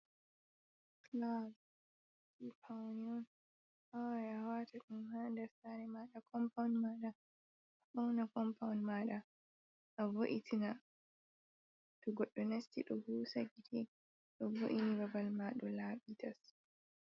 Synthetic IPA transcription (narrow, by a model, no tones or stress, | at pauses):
klas | ipʰawniɔn | ʔawjawatʰaɗumhandɛɾsanɛmaɗakʰɔmpawnmaɗa | aɓawnakɔmpʰawnmaɗa | ʔaboʔitina | tɔɡɔɗːɔnastiɗɔhuːsaɡiti | ɗɔbo̰ʔinibabalmaɗɔlaːɓitas